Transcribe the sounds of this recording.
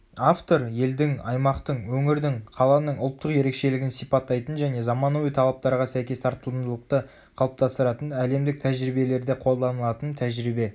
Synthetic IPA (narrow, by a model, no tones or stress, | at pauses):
aft̪o̞ɾje̞ld̪ɪŋɑjmɑqt̪əɴwɵŋɪɾd̪ɪŋqʰɑlˠɑnəɴʊlˠt̪ːəqje̞ɾe̞kʃe̞lɪɡʲɪnsipɑt̪ːɑjt̪ənʒæne̞zɑmɑnuijt̪ʰɑlˠɑp̚t̪ɑɾʁɑsæjkʲe̞st̪ʰɑɾt̪əlˠəmd̪əlˠəq̚t̪ə | qʰɑlˠəp̚t̪ʰɑst̪əɾɑt̪ənæle̞md̪ɪk̚t̪ʰæʒɾibe̞le̞ɾd̪eqʰo̞lˠd̪ɑnəlˠɑt̪ənt̪ʰæʒɾibe̞